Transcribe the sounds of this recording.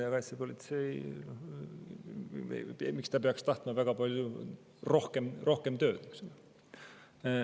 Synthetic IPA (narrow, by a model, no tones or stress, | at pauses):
ɑkɑjsipo̞lʲit̪se̞jno | mikst̪ɑpeɑkst̪ɑht̪mɑvæɡ̥ɑpɑlʲju | ro̞hkemrʔo̞hkemt̪ø̞ːd̪̥niksulːe